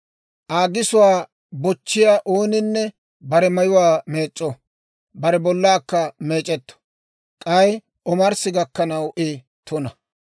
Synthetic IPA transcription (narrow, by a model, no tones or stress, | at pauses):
ʔaːɡɪsʊwaː | bɔt͡ʃːɪjaːʔoːnɪnːɛ | bɐɾɛmɐjʊwaːme̞ːt͡ʃʼːɔ | bɐɾɛbɔlːaːkːɐmeːt͡ʃʼɛt̪ːɔ̥ | kʼɐj | ɔmɐɾsɪɡɐkːɐnɐwʔe | t̪ɔnɐ